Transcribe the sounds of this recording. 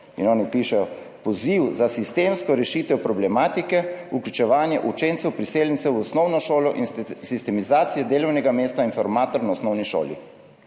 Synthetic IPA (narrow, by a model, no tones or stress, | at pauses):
ḭnɔːnipiʃɛjɔ | pɔziwzasist̪eːmskɔɾɛʃiːt̪ɛwpɾɔblɛmaːt̪ikɛuklʲut͡ʃɛʋaːnjɛʔut͡ʃent̪sɛwpɾiseːljɛnt̪sɛwɔsnɔwnɔʃoːlɔʔinsist̪ɛmizaːt̪sijɛd̪eːlɔwnɛɡameːst̪ainfɔɾmaːt̪ɔɾnaɔsnɔwniʃo̰ːlḭ